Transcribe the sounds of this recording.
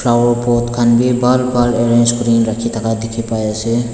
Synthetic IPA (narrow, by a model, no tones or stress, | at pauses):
pʰlawɔɹpɔt̪kʰanbibalbaleɹend͡ʒkɔɾinɾakʰit̪ʰakad̪ikʰipajase